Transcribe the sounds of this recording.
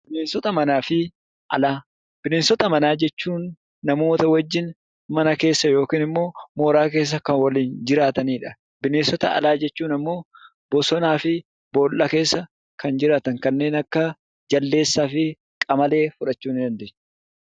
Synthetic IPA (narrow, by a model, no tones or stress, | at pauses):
b̥ɪneːnsɔt̪ɐmɐnaːfɪ | ʔɐ̰laː | b̥ɪneːnsɔt̪ɐmɐnaːd͡ʒɛt͡ʃːuːnː | ɐmo̞ːt̪ɐwɐd͡ʒːɪn | mɐnɐke̞ːsːɐjo̞ːkiːnɪmːo̞ːmo̞ːɾaːk̬e̞ːs̬ːɐkɐnwɐliːnd͡ʒɪɾaːt̪ɐniːᶑɐ̥ | bɪneːnsɔt̪ɐɐ̰laːd͡ʒɛt͡ʃːuːnɐmːo̞ː | b̥ɔsɔnaːfɪ | boːlʔɐke̞ːsːɐ | kɐnd͡ʒɪɾaːt̪ɐŋkɐnːe̞ːnɐkːɐ | d͡ʒɐlːe̞ːsːaːfɪ | kʼɐmɐle̞ːfʊᶑɐt͡ʃːuːnɪd̪ɐnd̪eːɲː